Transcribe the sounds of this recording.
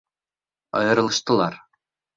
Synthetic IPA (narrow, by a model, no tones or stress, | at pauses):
ɑ̰jɤ̆ɾɤ̆lˠɤ̆ʃt̪ɤ̆lˠɑɾ